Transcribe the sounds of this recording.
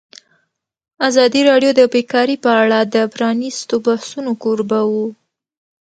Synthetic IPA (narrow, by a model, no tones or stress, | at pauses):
azɑd̪iɾɑɖjod̪əbekɑɾipəaɽad̪əpɾɑnist̪obahsunokoɾbawu